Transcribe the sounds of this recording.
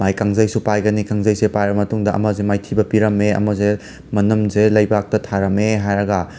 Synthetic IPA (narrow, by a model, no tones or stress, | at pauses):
majkaŋzɐjsupajɡɐnikaŋzɐjsepajɾɐmɐtuŋdɐʔɐ̰mɐzemajtʰibɐpiɾɐmeɐ̰mɐze | mɐnɐmzelɐjbak̚tɐtʰaɾɐmeɦajɾɐɡɐ